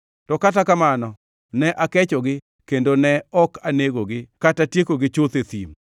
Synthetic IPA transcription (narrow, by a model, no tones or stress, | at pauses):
tɔkatakamanɔ | nɛʔakɛt͡ʃɔɡɪ | kendonɛɔkaneɡoɡɪkatatjekoɡɪt͡ʃot̪et̪ḭm